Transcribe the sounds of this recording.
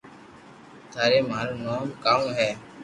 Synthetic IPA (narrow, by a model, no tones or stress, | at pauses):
t̪ʰaːɾeːmaːɾoːnoːmkaːũːɦɛː